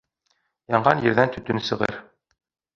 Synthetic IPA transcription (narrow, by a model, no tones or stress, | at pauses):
jɑɴʁɑnjɘ̆ɾðænt̪ɵ̆t̪ɵnsɤ̆ʁɤ̰ɾ